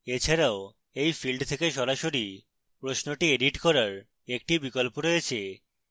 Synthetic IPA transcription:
et͡ɕʰaɾao | ejfilɖt̪ʰekeʃɔɾaʃoɾi | pɾosnoʈieɖiʈkɔɾaɾ | ek̚ʈibikolpoɾojet͡ɕʰe

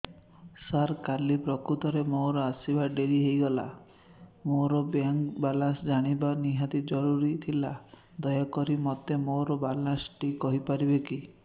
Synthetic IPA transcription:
saɾkalipɾɔkɾut̪ɔɾemoɾɔasibaɖeɾiɦejɡɔla̰ | moɾɔbjaŋkbalansd͡ʒaɽ̃ibaniɦat̪id͡ʒɔɾuɾit̪ʰila | d̪ɔjakɔɾimɔt̪emoɾɔbalansʈikɔɦipaɾibeki

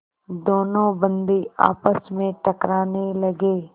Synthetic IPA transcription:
d̪oːnõbə̃nd̪ia̰ːpəsmẽʈəkɾaːnelɐɡeː

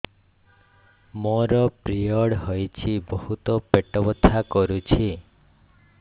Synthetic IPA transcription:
moɾɔpɾiɔɽɦɔjt͡ʃʰibɔɦut̪ɔpeʈɔbɔt̪ʰakɔɾut͡ʃʰi

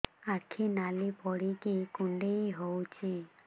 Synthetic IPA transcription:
akʰinalipɔɽikikuɳɖejɦowt͡ʃʰi

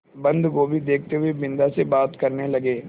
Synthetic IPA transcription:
bɐ̃nd̪kobʱid̪eːk̚ʰt̪eɦʊebɪ̃nd̪asebaːt̪kɐɾnelɐɡeː

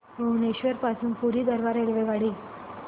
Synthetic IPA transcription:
məuneɕʋəɾpasuːnpuɾiːd̪əɾʋaɾeɭʋeɡaɽiː

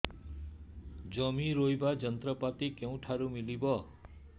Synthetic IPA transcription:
d͡ʒʌmiɾojbad͡ʒʌnt̪ɾʌpat̪ikew̃ʈʰaɾumilibʌ

